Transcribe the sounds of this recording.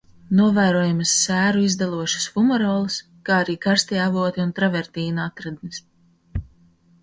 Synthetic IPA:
nuɔvæːɾuɔjumɨsːæːɾuizd̪alˠuɔʃɐ̥sfumɔɾɔːlˠɨs | kaːaɾiːkaɾst̪iavuɔt̪iunt̪ɾavɛɾt̪iːnuat̪ɾad̪nis

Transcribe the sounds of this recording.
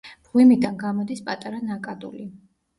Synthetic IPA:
b̥ʁwimid̪anɡamɔd̪ispʼat̪ʼaɾanakʼad̪ṵli

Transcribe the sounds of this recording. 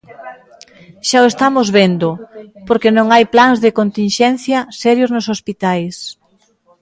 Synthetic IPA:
ʃaoest̪amʊzβend̪ʊpoɾkenõŋajplaŋzðɪkont̪inʃɛn̟θjɐsɛɾjoznosospit̪ajs

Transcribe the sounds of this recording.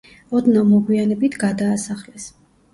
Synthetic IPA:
ɔd̪namɔɡwianɛbit̪ʰɡad̪aːsaχlɛs

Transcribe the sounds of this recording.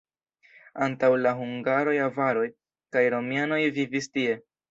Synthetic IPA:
antawlaɦuŋɡaɾo̞javaɾo̞j | kajɾo̞miano̞jvivistie̞

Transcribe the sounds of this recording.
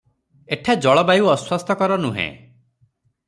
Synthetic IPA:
eʈʰad͡ʒɔɭɔbajuɔswɔst̪ʰɔkɔɾɔnuɦḛ̃

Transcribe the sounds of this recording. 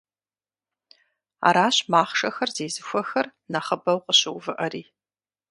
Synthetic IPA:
a̰ːɾaːɕmaːχʂɐxɐrzeːzɨxʷɐxɐrnɐχəbɐwqʼəɕɪwvɨʔɐɾiː

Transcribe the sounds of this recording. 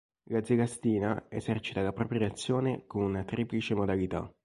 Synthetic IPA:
lad̪zeɡast̪iːnaezɛrt͡ʃi̥t̪alapɾopɾjat̪sːjoːnekonunat̪ɾʔiːplit͡ʃemod̪alit̪a̰

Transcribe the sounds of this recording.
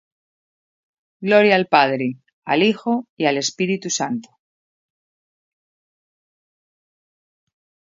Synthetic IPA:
ɡlo̞ɾjaːlpað̞ɾe | a̰lixo̞iale̞spiɾit̪usant̪o̥

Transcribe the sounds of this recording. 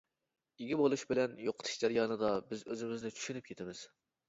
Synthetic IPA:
iɡʲibolˠuʃbɪlɛnjoqʰə̥t̪ʰu̥ʃd͡ʒɑɾijɑːnɨd̪ɑbɪzøzɪmɪznɪt͡ʃʰy̥ʃynyp̚kʰʲet̪ʰɪmɪz̥

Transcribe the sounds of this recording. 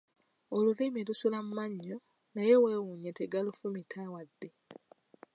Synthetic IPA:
olulimelusulammaɲːo | naje̞we̞ːwuɲeteɡalufumitʰawadːe̞

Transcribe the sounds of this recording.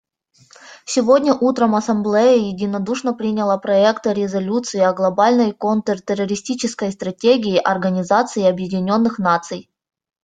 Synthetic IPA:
sʲɪvodʲnʲəʔut̪ɾəmɐsɐmblʲejəjɪdʲɪnɐd̪uʂnəpɾʲinʲɪlˠəpɾɐɛkt̪ɨɾʲɪzɐlʲut̪sɨɪɐɡlˠɐbalʲnəjkont̪ərt̪ʲɪrəɾʲɪsʲtʲit͡ɕɪskəjst̪ɾɐtʲeɡʲɪːʔɐrɡənʲɪzat̪sɨɪɐbjɪdʲɪnʲo̞nːɨxnat̪sɨj

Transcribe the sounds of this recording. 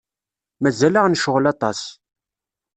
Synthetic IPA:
mæzæləʁnʃʊʁlɑt̪ˤɑs

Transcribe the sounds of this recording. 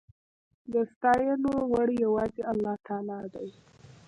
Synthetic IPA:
d̪əst̪ɑjəlowaɽjawɑzeʔalːɑt̪ʰɑlɑd̪aj

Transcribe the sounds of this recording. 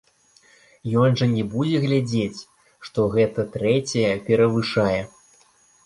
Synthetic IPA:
jɔnʐɐnʲɛbud͡zʲɛɣlʲad͡zʲet͡sʲ | ʂt̪ɔɣɛt̪ɐt̪ɾɛt͡sʲɐjɛpʲɛɾɐvɨʂajɛ

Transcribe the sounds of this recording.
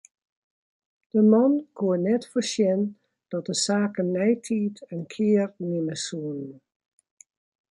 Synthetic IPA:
d̥əmɔnkʰuənɛtfəsjɛn | d̥ɔt̚dəsaːkənːɛjtʰiːtənkʰɪərnɪməsuənən

